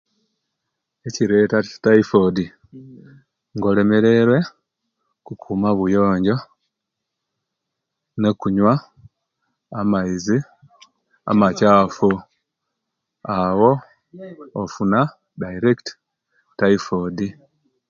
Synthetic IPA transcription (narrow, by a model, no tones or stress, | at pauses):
e̞ciɾe̞ːtacḁtaifodi | ŋɡo̞le̞me̞ɾe̞ɾwe̞ | kukʰuːmaβujo̞ːɲɟo̞ | ne̞kuɲwa | amaizi | a̰macaːfu | awo̞ː | funa | daiɾekt | tːaifodi